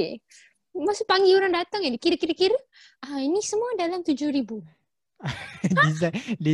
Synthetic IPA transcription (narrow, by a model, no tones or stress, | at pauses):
masʊpaŋɡiuɾaŋdat̪aŋadikiɾəkiɾəkiɾə | ainisəmuadalamt̪ud͡ʒʊhɾibu | disadi